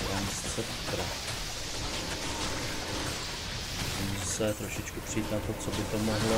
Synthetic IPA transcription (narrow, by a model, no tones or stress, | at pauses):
ɾanst͡sɛpt̪ɾa | sisɛt̪ɾo̞ʃɪt͡ʃkupr̝ɛit̪nat̪o̞t͡so̞bɪt̪o̞mo̞ɦlo